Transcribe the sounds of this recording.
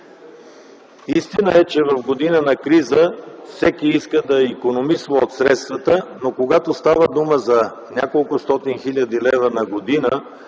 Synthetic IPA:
ist̪inəɛt͡ʃɛvɐvɡod̪inənɐkɾizəfsɛkiiskəd̪ɐikonomisvəot̪sɾɛt̪st̪vət̪ənokoɡat̪ost̪avəd̪uməzɐ | nʲakolˠkʊst̪ɔt̪inxilʲəd̪ilɛvənɐɡod̪inə

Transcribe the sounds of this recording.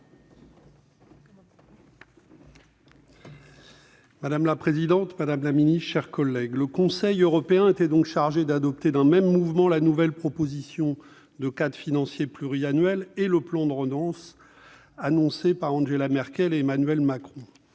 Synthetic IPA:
mad̪amlapχezid̪ɑ̃t̪mad̪amlaminist̪ʃɛʁkɔlːɛɡləkɔ̃sɛjøʁɔpeɛ̃et̪ɛd̪ɔ̃kʃaʁʒed̪ad̪ɔp̚t̪ed̪ɛ̃mɛmːuvmɑ̃lanuvɛlpχɔpozisjɔ̃ | d̪əkad̪finɑ̃sjeplyʁianɥɛleləplɑ̃d̪əʁəd̪ɑ̃s | anɔ̃sepaʁɑ̃ʒelamɛʁkʲɛleːmanɥɛlmakχɔ̃

